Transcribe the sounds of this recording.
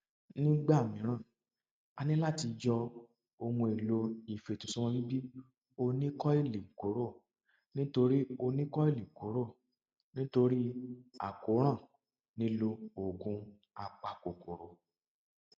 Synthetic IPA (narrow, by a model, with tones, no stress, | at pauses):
nĩ˦ɡ͡ba˦˨mĩ˨˦ɾ̃ã˦˨ | a˧nĩ˦la˦˨ti˧d͡ʒɔ˧ | o˧hũ˧e˨lo˧i˨fe˨tũ˨˦sũ˦w̃ɔ̃˧bi˦bi˦ | o˧nĩ˦kɔ˦e˦˨li˨ko˨˦ɾo˦˨ | nĩ˦to˧ɾi˦o˧nĩ˦kɔ˦e˦˨li˨ko˨˦ɾo˦˨ | nĩ˦to˧ɾi˦a̰˨ko˨˦ɾ̃ã˦˨ | nĩ˦lo˧o˨ɡũ˧ | a˨k͡pa˨ko˨ko˨ɾo˨